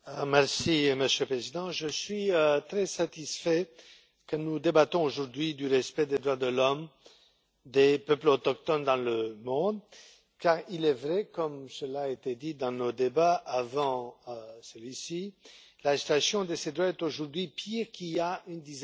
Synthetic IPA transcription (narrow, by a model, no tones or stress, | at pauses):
mɛʁsiməsjølpχezid̪ɑ̃ʒəsɥiøt̪χɛsat̪isfɛ | kənud̪ebat̪ɔ̃oʒuʁd̪ɥid̪yʁɛspɛd̪ed̪ʁwad̪əlɔm | d̪epœplot̪ɔk̚t̪ɔnd̪ɑ̃ləmɔ̃d̪ | kaːʁilɛvʁɛkɔmsəlaet̪ed̪id̪ɑ̃nod̪ebaʔavɑ̃səlɥisi | lasi̥t̪asjɔ̃d̪əsed̪ʁwaɛt̪oʒuʁd̪ɥipʰiʁkiliaynd̪iz